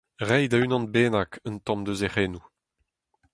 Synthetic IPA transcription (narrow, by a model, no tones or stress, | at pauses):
ʁɛjd̪aynɑ̃nbeːnakənt̪ɑ̃md̪əzeʁeːnu